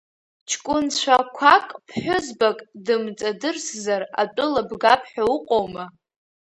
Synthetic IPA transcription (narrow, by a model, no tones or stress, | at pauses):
t͡ʃʰkʷʼʊnt͡ɕʷʰakʷʰakʼpʰħʷᶣʊzbakʼdɨmt͡sʼadɨrszara̰t͡pʼʊlabɡapʰħᶣaʊqʼowma